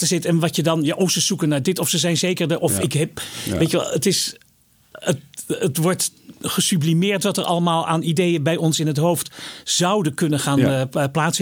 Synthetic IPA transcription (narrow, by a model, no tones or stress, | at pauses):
təzɪtɛnʋɑtədɑnjaːʔɔfsəzukənaːɹdɪtɔfsəzɛjnzejkəɹdəʔɔfɪkɦɛp̚ʋejtʋɛ̰lˠətɪs | ətətʋɔɹtχəsyblimɪːɹtʋɑtəɹʔɑ̰ləmaːlˠa̰ːnidejənbɛjɔnsɪnɦətɦowftz̥ɑwdənkɵnənχaːnplaːts